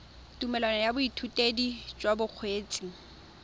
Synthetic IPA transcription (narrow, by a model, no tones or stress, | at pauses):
tʼumɛlwanɔjabʊitʰutʼedid͡ʒʼwabʊq͡χʰweːt͡sʼi